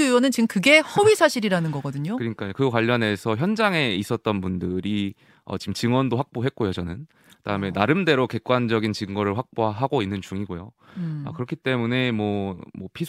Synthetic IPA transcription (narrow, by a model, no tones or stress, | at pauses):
iwʌnɯnt͡ɕimkɯɡe̞hʌbɥisʰaɕʰiɾiɾanɯnɡʌɡʌdɯɲokɯɾɲik͈ajokɯkwaʎːʌne̞sʰʌçjʌnd͡ʑaŋe̞is͈ʌt̚t͈ʌnpundɯɾi | ʌ̰t͡ɕimt͡ɕɯŋwʌndoɸak̚p͈oɦe̞t̚k͈ojot͡ɕʌnɯn | ɯdaɯme̞naɾɯmde̞ɾoke̞k͈wand͡ʑʌɡint͡ɕɯŋɡʌɾɯɭɸwak̚p͈oɦaɡoinːɯnt͡ɕuŋiɡojo | a̰kɯɾʌkʰit͈e̞mune̞mwʌmwʌpʰi